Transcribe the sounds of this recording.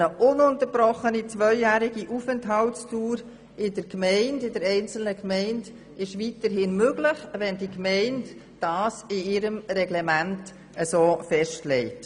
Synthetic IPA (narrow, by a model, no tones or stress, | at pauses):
əʔʊnʊntəɾbɾɔχənit͡svœʏjæːɾiɡiʔufəntɦɑltstuːɾ | ɪdəɾkmɛɪndɪdəɾɛɪnt͡sl̩nəkmɛɪnd | ɪʃʋitəɾɦɪnmøɡlɪχʋɛndikmɛɪnt | d̥ɑːsɪɪɾəmɾɛɡlɛmænt | əsoːfɛʃtlɛɪt